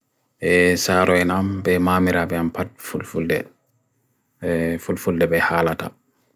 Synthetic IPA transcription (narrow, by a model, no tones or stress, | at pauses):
ʔɛsaːɾɔɛnambɛmamiɾabɛampat̚fulfuldɛ̰ | fulfuldɛbɛhaːlata̰